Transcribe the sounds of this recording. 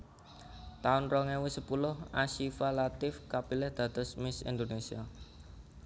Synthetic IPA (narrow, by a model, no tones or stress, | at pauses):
t̪aʊnrɔŋewɪsəpulʊhaʃifalat̪ɪfkapilɛhd̪̥ä̤t̪ɔsmɪsḭnd̪onesia